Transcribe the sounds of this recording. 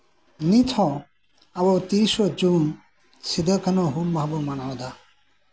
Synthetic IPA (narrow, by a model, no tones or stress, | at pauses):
nit̪ʰɔ | abɔwt̪isɔd͡ʒun | sid̪əkʰanɔɦulmaɦbɔmanawd̪a